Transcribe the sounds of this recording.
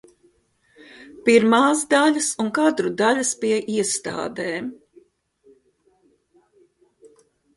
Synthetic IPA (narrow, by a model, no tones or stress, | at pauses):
piɾmaːsd̪aʎʲəsuŋkad̪ɾud̪aʎʲɐspiɛʔiɛst̪a̰ːd̪eːm